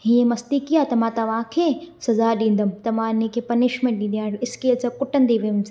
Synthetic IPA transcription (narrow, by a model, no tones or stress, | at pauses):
ɦiːẽmɐst̪ikiat̪ɐmãt̪ɐʋãːkʰesɐzaɗĩːn̆d̪əmt̪ɐmãːnẽkʰepɐniʃmẽɳʈ̚ɗĩːnd̪ijãːɪskeːlsakʊʈə̃nd̪iʋijũmsa